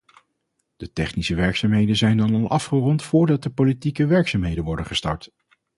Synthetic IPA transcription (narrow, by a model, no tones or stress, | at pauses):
d̥ətɛχnisəʋɛɹksaːmɦejdənzɛjndɑnɑlˠʔɑfχərɔntfʊːɹdɑt̚dəpolitikəʋɛɹksaːmɦejdənʋɔɹdənχə̥stɑ̰ɹt